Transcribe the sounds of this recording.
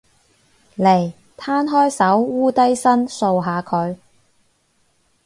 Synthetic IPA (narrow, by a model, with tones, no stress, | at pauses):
le˨˩j | t̪ʰaː˥nɦɔː˥jsɐ˨˥wːuː˥t̪ɐ˥jsɐ˥nso˧wɦaː˨˧kʰɵ˨˧ɥ